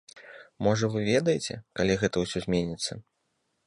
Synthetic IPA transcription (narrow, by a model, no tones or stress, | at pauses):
mɔʐɐvɨvʲɛd̪ɐjet͡sʲɛ̰kalʲiɣɛt̪ɐwsʲɔzʲmʲenʲit̪sːɐ